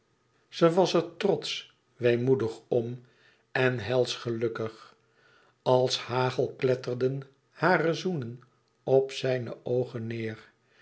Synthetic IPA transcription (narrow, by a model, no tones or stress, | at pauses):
z̥əʋɑsəɹtrɔt̪s | ʋejmudəχɔm | ɛnɦɛlˠsχəlɵkəχ | ɑlˠshaːχəlˠklɛtərdən | haːrəzunən | ɔpsɛjnə̰ʔowχənːɪːr